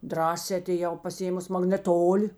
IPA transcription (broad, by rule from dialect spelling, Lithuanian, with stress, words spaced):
ˈdrɑːsʲɛː ɐtʲeːˈjɛʊ pɐsʲɪˈeːmʊs mɐɡnʲɛˈtoːlʲɪ